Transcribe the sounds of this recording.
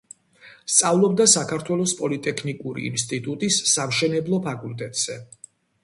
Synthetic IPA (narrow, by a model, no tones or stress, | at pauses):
st̪sʼavlˠɔb̚d̪asakʰaɾt̪ʰwɛlˠɔspʼɔlit̪ʼɛkʰnikʼuɾḭːnst̪ʼit̪ʼut̪ʼisːamʃɛnɛblˠɔpʰakʼulˠt̪ʼɛt̪ʼz̥ɛ